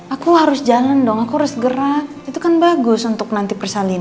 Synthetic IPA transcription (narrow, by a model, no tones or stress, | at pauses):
ʔakuhaɾʊsd͡ʒalandɔŋakuaɾʊsɡəɾa | it̪ukanbaɡʊsunt̪ʊk̚nant̪ipərsalin